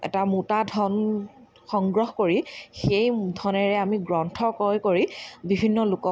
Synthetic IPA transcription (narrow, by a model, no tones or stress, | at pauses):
ɛ̰tamutadʱɔn | xɔŋɡɹɔxkoɹixejdʱɔnɛɹɛamiɡɹɔntʰɔkɔjkoɹibibʱinːɔlʊkɔ